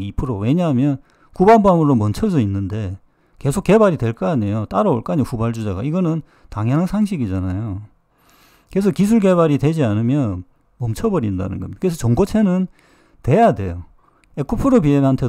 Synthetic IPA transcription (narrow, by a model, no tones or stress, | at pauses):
ipʰɯɾowe̞ɲaɦmjʌn | kubanbaamɯɾomʌnt͡ɕʰʌd͡ʑʌinːɯnde̞ | ke̞sʰok͈ːe̞baɾidwe̞ɭk͈ʌaɲejot͈aɾaoɭk͈aɲiɸubaɭd͡ʑud͡ʑaɡa̰iɡʌnɯn | taŋɦʌnɦansʰaŋɕʰiɡid͡ʑanajo | kɯesʰʌkis̬ʰuɭke̞βaɾidwe̞d͡ʑianɯmjʌn | mʌmt͡ɕʰʌbʌɾinda̰nɯ̰nɡʌ̰mdkɯes̬ʰʌt͡ɕʌŋɡot͡ɕʰe̞nɯn | twe̞jade̞̰jo | ekʰopʰɯɾop̬ieɡaɦantʰe̞